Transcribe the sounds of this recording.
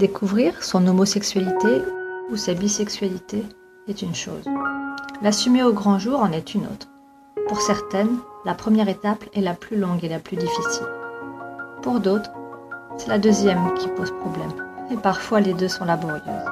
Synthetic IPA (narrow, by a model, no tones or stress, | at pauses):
d̪̥ekʰuvʁiʁsɔ̃nomɔsɛksɥalit̪eusabisɛksɥalit̪e | ɛt̪ynʃo̰ːz | lasymeoɡʁɑ̃ʒuʁɑ̃nɛt̪ʰyno̰t̪χ | puʁsɛʁt̪ɛnlapχəmjɛʁet̪apɛlaplylɔ̃ɡelaplyd̪ifisḭl | puʁd̪ot̪χsɛlad̪øzjɛmkʲipozpχɔblɛmepaʁfwaled̪øsɔ̃labɔʁjø̰z